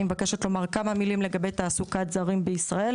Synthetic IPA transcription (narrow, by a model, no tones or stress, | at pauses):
imevake̞ʃot̪lo̞maʁkamamilimle̞ɡabejt̪aːsukat̪zaʁimbeisʁael